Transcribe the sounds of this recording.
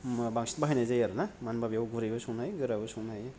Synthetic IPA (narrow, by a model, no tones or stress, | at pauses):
baŋsi̥tbaɦajnazajaɾɯnamanbabijawɡuɾajbɐsunajɡɯɾabɐsuŋnaj